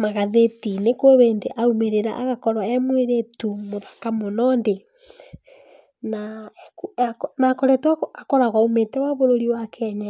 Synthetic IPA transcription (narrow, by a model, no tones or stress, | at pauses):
maɣaðetinekoβeːndeʔaumeɾeɾa̰ʔaɣakɔɾwaɛmweɾetumoðḁkamonɔnde | nakaknakɔɾɛtwaakɔɾaɣwaometɛwaβoɾoɾiwakʰɛɲa